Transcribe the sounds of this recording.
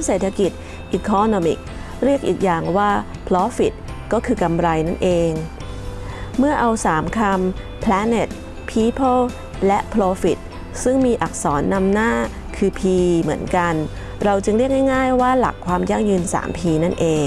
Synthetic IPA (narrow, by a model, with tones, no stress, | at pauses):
ŋseː˨˩t̪ʰːa˧ki˨˩t̪̚ | ʔiː˨˩kʰɔ˧noː˧mḭ˨˩k̚ | ɾi˥˩ək̚ʔiː˨˩k̚jaː˨˩ŋwaː˥˩pʰlɔː˦˥fi˨˩t̪̚ | kɔː˥˩kʰɯː˧ka˧mɾa˧jna˥˩nʔeː˧ŋ | mɯ˥˩ɐʔa˧wsaː˩˦mkʰa˧m | pʰlɛ˦˥ne˨˩t̪̚ | pʰiː˦˥pʰɤ˥˩l | lɛ˦˥ʔpʰɾoː˧fi˨˩t̪̚ | sɯ˥˩ŋmiː˧ʔa˨˩k̚sɔː˩˦nːa˧mnaː˥˩ | kʰɯː˧pʰiː˧mɯ˩˦ənka˧n | ɾa˧wt͡ɕɯ˧ŋɾi˥˩ək̚na˥˩jŋaː˥˩jwaː˥˩la̰˨˩kʰːwaː˧mja˥˩ŋjɯ˧nsa̰ː˩˦mpʰiː˧na˥˩nʔeː˧ŋ